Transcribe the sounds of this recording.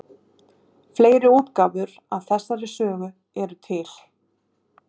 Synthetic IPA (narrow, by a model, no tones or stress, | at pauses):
fleːjɾɪoːp̪kaːvʏɾ | aðθɛsːaɾɪsœːɣʏ | ɛɾʏt̪ʰɪl̥